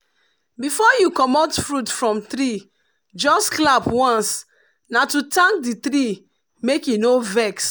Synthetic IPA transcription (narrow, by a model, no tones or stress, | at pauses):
bifɔjukɔmɔtfɹutfɹɔ̃mt̪ɾi | d͡ʒɔsklapwãns | natutãŋk̚dit̪ɾi | mekjunovɛks